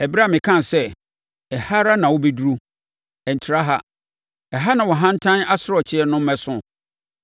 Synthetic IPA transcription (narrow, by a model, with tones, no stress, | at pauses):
ɛ˨bɾa˦˨mɪ̃˨kʰã˦n˨sɛ˦ | ɛ˨ha˦ɾa˦nã˨wʊ˦bi˦du˦ɾu˦ | ɛ˨n˨tʰɪ˨ɾa˦ɦa˦ | ɛ˨ɦa˦nã˨wɔ˨ɦã˦n̩˦tʰã˦na˦sʊ˨ɾɔ˨t͡ɕʰɪ˦ɛ˦nʊ̃˦m̩˦mɛ̃˦sʊ̃˦